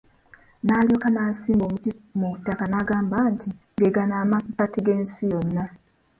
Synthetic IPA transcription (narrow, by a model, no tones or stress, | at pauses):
naːljoːkanaːsiːmboːmutimuutakanaɡaːmbantiŋɡeɡanaːmaukatiɡeːnsijonːa